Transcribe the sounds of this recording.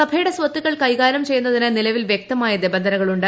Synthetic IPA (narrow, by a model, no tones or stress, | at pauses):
ɐbʱejiɽɐsʋɐt̪ːuɣɐɭkɐjɣaːɾɐmt͡ɕe̞junːɐðinɨnilɐʋilʋjek̚t̪ɐmaːjɐd̪ibɐnd̪ʱɐnɐɣɐɭuɳɖɨ